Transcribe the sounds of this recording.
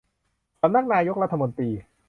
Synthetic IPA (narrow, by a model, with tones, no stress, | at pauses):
sa˧mna˦˥˩k̚naː˧jo˦˥k̚ɾa˦˥t̪ʰːa˧mo˧nt̪ɾiː˧